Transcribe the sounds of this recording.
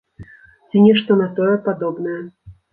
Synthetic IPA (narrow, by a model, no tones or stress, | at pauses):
t͡sʲinʲɛʂt̪ɔnat̪ɔjɛpad̪ɔbnɐjɛ